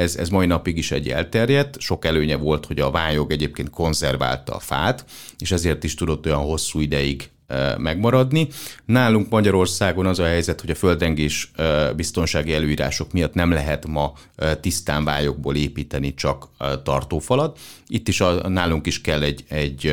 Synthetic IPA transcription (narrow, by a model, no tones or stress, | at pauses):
ɛzɛ̰zmɒinɒpiɡiʃɛ̰ɟːɛ̰lt̪ɛrjɛt̪ːʃo̞kɛløːɲɛvo̞lt̪hoɟɒvaːɲo̞ɡɛɟeːp̚keːnt̪ko̞nzɛrva̰ːlt̪ɒ̰fa̰ːt̪ | eːʃɛzeːrt̪iʃt̪ud̪o̞t̪ːo̞jɒnɦo̞sːuːid̪ɛjiɡ | mɛɡmɒɾɒd̪ninaːluŋkmɒɟɒɾo̞rsaːɡo̞nɒzɒɦɛjzɛt̪ho̞ɟɒfø̞ld̪rɛŋɡeːʃbist̪o̞nʃaːɡiɛløːiːɾa̰ːʃo̞kmijɒt̪nɛmlɛɦɛt̪mɒ | t̪ist̪aːɱvaːɲo̞ɡ̚bo̰ːleːpiːt̪ɛnit͡ʃɒkt̪ɒrt̪oːfɒlɒd̪it̪ːiʃɒnaːluŋkiʃkɛlːɛɟɛɟ